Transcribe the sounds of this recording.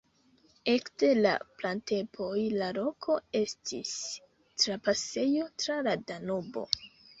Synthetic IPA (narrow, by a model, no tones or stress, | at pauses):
e̞kde̞la̰plante̞pʰo̞jlaɾo̞kʰo̞e̞stʰis | tɾapase̞jo̞tɾaladanobo̞̰